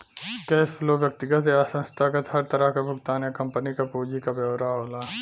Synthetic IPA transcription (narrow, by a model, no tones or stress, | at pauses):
skɛːspʰloːbjɐk̚t̪ɪɡət̪easə̃nst̪ʰaːkət̪ɦɐɾt̪ɐɾəɦkabʊɡt̪aːnjakɐ̃mpənikapoːd͡ʒikabjɐʋɾaːɦoːlaː